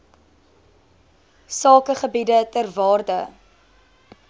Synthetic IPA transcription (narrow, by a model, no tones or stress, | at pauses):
sɑːkəχəbidətərvɑːrdə